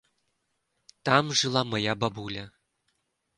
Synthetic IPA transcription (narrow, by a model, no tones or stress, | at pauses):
t̪ɑmʐɯlˠɑmɤ̆jababulʲɘ